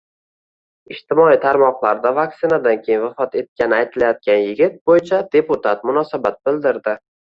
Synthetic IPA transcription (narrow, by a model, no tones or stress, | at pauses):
ɪʃt̪ɪmɒit̪ʰaɾmɒqlˠaɾd̪avak̚t̪sɪnad̪ankʲʰejɪnvafɒt̪e̞t̪̚kʲanɪajt̪ʰɪlajɒt̪̚kʲʰanjɪɡʲɪt̪̚bojt͡ʃʰad̪e̞put̪ʰat̪̚mʊnɒsabat̪̚bɪld̪ɪɾd̪ɪ